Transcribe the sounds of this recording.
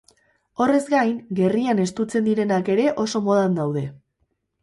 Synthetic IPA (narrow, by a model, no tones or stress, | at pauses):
o̞re̞zɡajŋɡe̞riane̞st̪ut͡se̞nd̪iɾe̞nake̞ɾe̞ʔo̞so̞mo̞ð̞and̪awð̞e̞